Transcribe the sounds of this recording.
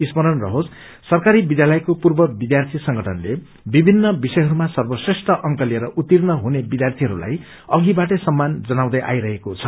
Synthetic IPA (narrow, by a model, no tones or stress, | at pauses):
ismʌɾʌnrʌ̰ɦod͡z | sʌrkaɾibid̪jalʌjkopurbʌbid̪jart̪ʰisʌŋɡʌʈʰʌnle | bibʱinːʌbisʌjɦʌɾumasʌrbʌsresʈʰʌʔʌŋkʌlieɾʌʔut̪ːirnʌɦunebid̪jart̪ʰiɦʌɾula̰j | ʌɡibaʈ̬ʌsʌmːand͡zʌnaw̃d̪ʌjʔa̰jɾʌɦekot͡sʰʌ